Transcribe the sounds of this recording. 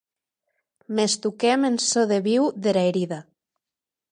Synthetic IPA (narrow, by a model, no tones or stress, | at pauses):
mest̪ukemensoðeβiwðeɾaeɾiða